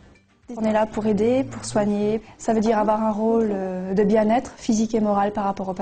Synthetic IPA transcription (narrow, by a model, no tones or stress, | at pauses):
nɛlapuʁed̪epuʁswaɲesavød̪iʁavwaʁɛ̃ʁold̪əbjɛ̃nɛt̪χfizikemɔʁalpaʁːapɔʁop